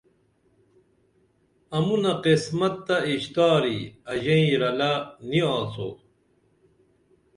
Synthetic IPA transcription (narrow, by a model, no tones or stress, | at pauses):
ɐmunɐqismɐt̪ːɐiɕt̪aːɾiɐʑɐĩɾɐlɐniaːt͡so̰ː